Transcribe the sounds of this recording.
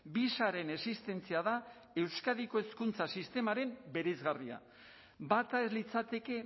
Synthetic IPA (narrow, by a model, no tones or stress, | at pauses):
bisaɾe̞ne̞sist̪e̞nt͡siaða | e̞wskaðiko̞e̞skunt͡sasist̪e̞maɾe̞mbe̞ɾejzɣaria̰ | bat̪ae̞zlit͡sat̪e̞ke̞